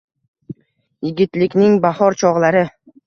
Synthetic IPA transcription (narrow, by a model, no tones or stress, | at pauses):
jɪɡʲɪt̪lɪkʲnɪŋbahɒɾt͡ʃʰɒʁlˠaɾɪ